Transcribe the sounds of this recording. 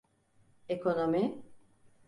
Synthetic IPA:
ekʰonomi

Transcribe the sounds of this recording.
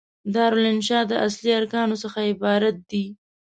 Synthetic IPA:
d̪ɑɾolɪnʃɑd̪əʔasliaɾkɑnosəxaɪbɑɾat̪̚d̪i

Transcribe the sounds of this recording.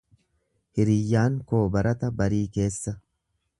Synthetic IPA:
hɪɾɪjːaːŋko̞ːbɐɾɐt̪ɐbɐɾiːke̞ːsːɐ

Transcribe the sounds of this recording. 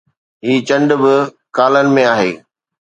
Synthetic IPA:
ɦiːt͡ɕɐ̃ɳɖbɪ | kaːlənɪ̆mẽaːɦḛː

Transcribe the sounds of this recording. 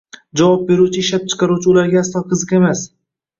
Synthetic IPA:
d͡ʒavɒp̚be̞ɾut͡ʃʰɪɪʃlap̚t͡ʃʰɨ̥qɑɾut͡ʃʰɪʊlaɾɡʲaast̪ɒqʰɨzɨqemas

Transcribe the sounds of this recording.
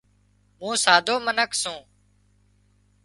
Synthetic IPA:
mũːsaːd̪ʱoːmənəksũː

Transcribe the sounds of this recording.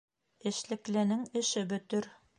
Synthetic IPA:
ɘ̆ʃlɘ̆klɘ̆nɘŋɘ̆ʃɘbɵ̆t̪ɘɾ

